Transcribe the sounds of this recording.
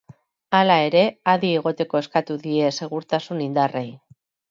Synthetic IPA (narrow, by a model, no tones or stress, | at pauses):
alae̞ɾe̞aðie̞ɣ̞o̞t̪e̞ko̞e̞skat̪uðie̞se̞ɣ̞uɾt̪asunind̪are̞j